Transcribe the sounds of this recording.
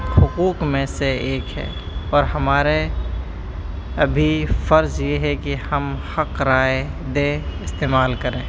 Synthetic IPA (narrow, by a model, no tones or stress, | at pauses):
hʊquːkmẽseeːkɦɛ̰ː | ɔːɾɦɐmaːɾe | ɐbʱifəɾzjeɦɛkihɐmhɐqɾaːe | d̪eːɪst̪eːmaːlkəɾẽː